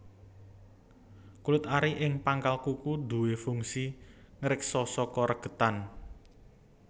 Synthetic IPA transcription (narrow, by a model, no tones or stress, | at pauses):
kulɪt̪aɾiʔɪŋpaŋkalkukud̪ṳwefuŋsi | ŋəɾɪk̚sɔsɔkɔɾəɡ̥ə̤t̪an